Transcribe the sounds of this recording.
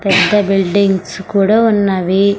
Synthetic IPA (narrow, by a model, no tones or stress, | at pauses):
pɛd̪ːɐbilɖiŋɡskuːɽaːunːɐʋi